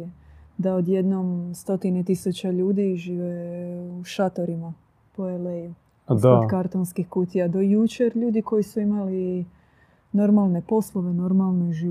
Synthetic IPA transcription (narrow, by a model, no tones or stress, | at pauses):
ed̪aod̪je̞d̪nomst̪o̞t̪inet̪isut͡ɕaʎuːd̪iʒiːʋeuʃat̪o̞ɾima | po̞eleju | sd̪aakaɾt̪onskixkut̪iad̪o̞jut͡ʃe̞ɾʎuːd̪iko̞jisuimali | no̞ɾmalˠne̞po̞slˠo̞ʋe̞no̞ɾmalˠnoʒiː